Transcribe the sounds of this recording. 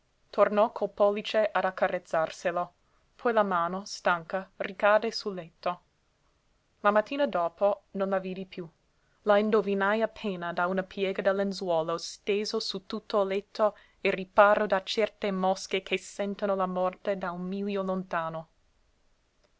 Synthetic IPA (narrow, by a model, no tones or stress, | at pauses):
t̪ʰornɔkʰolpɔlːit͡ʃeʔad̪akːarʔet̪sːarselo | pʰɔjlamaːnost̪aŋkarikaːd̪esulːɛt̪ʰːo | lamat̪ʰːiːnad̪oːponõnlaviːd̪ipju | laind̪ovinajapʰeːnad̪aunapʰjɛːɡad̪ɛlːenzwɔːlost̪eːzosut̪ut̪ʰːolɛt̪ʰːo | eripaːɾod̪at͡ʃɛrt̪emɔsk̟ekʰesɛnt̪anolamɔrt̪ed̪aunmiljolont̪aːno